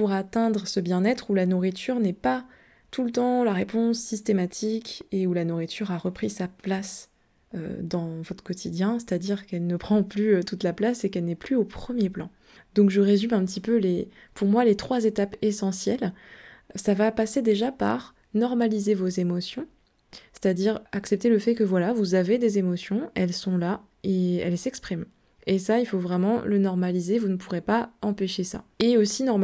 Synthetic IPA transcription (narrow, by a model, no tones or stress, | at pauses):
puʁat̪ɛ̃d̪ʁəsəbjɛ̃nɛt̪χulanuʁit̪ʰyʁnɛpa | t̪ulət̪ɑ̃laʁepɔ̃sːist̪emat̪ʰikeulanuʁit̪ʰyʁaʁəpχisaplas | ø̰d̪ɑ̃vɔt̪χə̥kɔt̪ʰid̪jɛ̃se̥t̪ad̪iʁkɛlnəpχɑ̃plyt̪ut̪laplasekɛlnɛplyopχəmjeplɑ̰̃ | d̪ɔ̃kʒəʁezymɛ̃pət̪ipøle | puʁmwalet̪χwazet̪apesɑ̃sjɛl | savapased̪eʒapa̰ʁ | nɔʁmalizevozemɔsjɔ̃ | se̥t̪ad̪iʁaksɛp̚t̪eləfɛkəvwalavuzaved̪ezemɔsjɔ̃ɛlsɔ̃la | eɛ̰lsɛkspχim | esailfovʁɛmɑ̃lənɔʁmalizevunəpuʁepaɑ̃peʃesa̰eosinɔʁm